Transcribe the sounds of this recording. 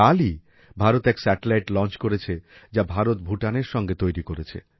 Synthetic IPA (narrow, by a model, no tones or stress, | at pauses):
ali | bʱaɾot̪ɛksɛʈelajʈlɔnt͡ɕkoɾet͡ɕʰed͡ʑabʱaɾot̪̚bʱuʈaneɾʃɔŋɡet̪ojɾikoɾet͡ɕʰḛ